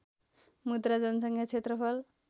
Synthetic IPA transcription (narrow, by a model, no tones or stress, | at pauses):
mud̪ɾad͡zʌnʌsʌŋkʰjat͡sʰet̪rʌpʰʌl